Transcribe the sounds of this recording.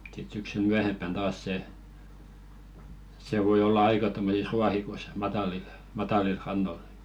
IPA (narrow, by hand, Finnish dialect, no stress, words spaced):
sit syksyl myæhempːæn tɑːs se se ʋoi olːɑ ɑikɑ tomːosis ruɑhikoĭs mɑtɑlil mɑtɑˑlil rɑnːol